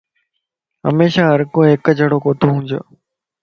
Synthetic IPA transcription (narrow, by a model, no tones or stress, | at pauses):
ɦə̰meːʃaːɦəɾkõːɦɪkd͡ʑʱəɽoːkoːt̪ʰoɦũːɲd͡ʑoː